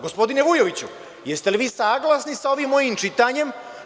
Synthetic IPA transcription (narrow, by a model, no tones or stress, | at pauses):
ɡo̞spo̞d̪ineʋujo̞ʋit͡ɕu | jest̪eliʋiːsaːɡlasnisao̞ʋimːo̞jimt͡ʃit̪aːɲe̞m